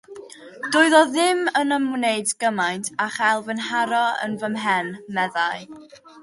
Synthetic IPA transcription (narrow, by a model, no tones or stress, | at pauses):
d̥ʊɨðɔðɪmənəmneɨdɡ̥əmajntʰaχalˠvənɦaɾɔə̰nvəmɦɛnmɛðaɨ